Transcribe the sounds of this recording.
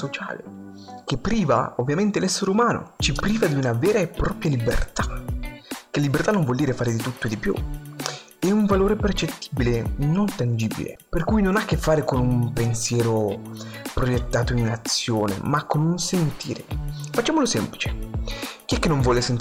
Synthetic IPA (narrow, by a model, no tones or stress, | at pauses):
ot͡ʃa̰ːlḛ | k̟epːɾiːva̰ovːjament̪elɛsːeɾeumaːno̰t͡ʃipɾiːvad̪iunavɛːɾaepːɾɔːpɾjalibḛrt̪a | kelːibert̪anːoɱvwɔld̪iːɾefaːɾed̪it̪ut̪ːoed̪ipjṵ | ɛuɱvaloːɾepert͡ʃet̪ːi̥ːbilenont̪and͡ʒiːbḭlḛperkujnonakːefːaːɾekonumpensjɛːɾo | pɾojet̪ːaːt̪oinat̪sːjoːnḛmakːonunsent̪ḭːɾefat͡ʃːaːmolosɛmplit͡ʃe̥ | k̟iɛkːenːoɱvwɔːlesent̪